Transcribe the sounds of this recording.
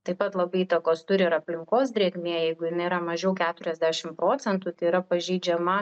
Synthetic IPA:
t̪ɐɪpɐt̪lˠɐbɐɪiːt̪ɐkoːst̪ʊɾʲɪɪɾɐpʲlʲɪŋkoːs̬d̪ʲɾʲiɛɡmʲiɛjɛɪɡʊjɪnɐɪiɾɐmɐʒʲɛʊkʲæːt̪ʊɾʲɛzʲd̪ʲæːʃʲɪmpɾoːt͡s̪sʲɛnt̪ut̪ɐɪiːɾɐpɐʒʲɛɪd͡ʒʲɛmɐ

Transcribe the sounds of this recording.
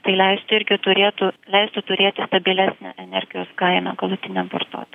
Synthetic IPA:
t̪ɐɪlʲɛɪst̪ʊɪɾʲɡʲɪt̪ʊɾʲeːt̪ʊlʲɛɪst̪ʊt̪ʊɾʲeːt̪ʲɪst̪ɐbʲɪlʲæsʲnʲæ̰ʔɛnʲɛɾʲɡʲɪjoːskɐɪnɐ̰ɡɐlˠʊt̪ʲɪnʲɛmpo̰rt̪o̰ːt̪ʲ

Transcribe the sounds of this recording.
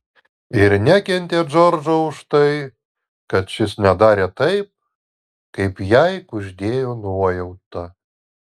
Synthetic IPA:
ɪɾnʲækʲɛnʲt̪ʲeːd͡ʒɔɾd͡ʒoʊʊʃt̪ɐɪ | kɐt̪ʃʲɪsnʲɛd̪ɑːɾʲeːt̪ɐɪp̚ | kɐɪpjɛɪkʊʒʲd̪ʲeːjoːnuɔjɛʊt̪ːɐ

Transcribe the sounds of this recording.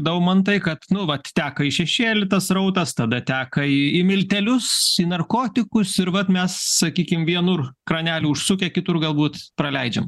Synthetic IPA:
d̪ɐmɐnt̪ɐɪkɐt̪nʊʋɐtt̪ʲæːkɐɪʃʲɛʃʲeːlʲɪt̪ɐsrɐʊt̪ɐst̪ɐd̪ɐt̪ʲæːkɐɪɪmʲɪlʲt̪ʲɛlʲʊsinɐrkoːt̪ʲɪkʊsɪɾʋɐt̪mʲɛssɐkʲiːkʲɪmʋʲiɛnʊrkɾɐnʲæːlʲuːʊʃsʊkʲɛkʲɪt̪ʊrɡɐlˠbuːt̪pɾɐlʲɛɪd͡ʒʲɛm

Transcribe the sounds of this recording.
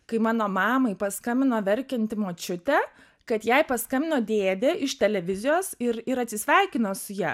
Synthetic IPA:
kɐɪmɑːnoːmɑːmɐɪpɐskɐmʲɪnoːʋʲɛɾʲkʲɛnʲt̪ʲɪmoːt͡ʃʲʊt̪ʲɛ | kɐt̪jɛɪpɐskɐmʲɪnoːd̪ʲeːd̪ʲɛʔɪʃt̪ʲɛlʲɛʋʲɪzʲɪjoːsɪɾɪɾɐt̪ʲsʲɪsʲʋʲɛɪkʲɪnoːsʊjæː

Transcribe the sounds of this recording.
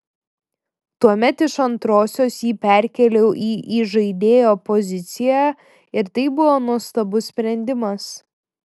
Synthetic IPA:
t̪uɔmʲɛt̪ɪʃɐnt̪ɾoːsʲoːsjiːpʲɛˑɾʲkʲɛlʲɛʊʔiːʔiːʒɐɪd̪ʲeːjoːpɔzʲɪt̪sʲɪjæː | ɪɾt̪ɐɪbʊʋoːnuɔst̪ɐbʊsʲpʲɾʲɛnʲd̪ʲɪmɐs

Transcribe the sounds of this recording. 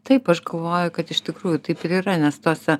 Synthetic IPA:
t̪ɐɪpɐʃɡɐlˠʋoːjʊkɐt̪ɪʃt̪ʲɪkɾuːjʊt̪ɐɪpɪɾiːɾɐnʲɛst̪oːsʲɛ

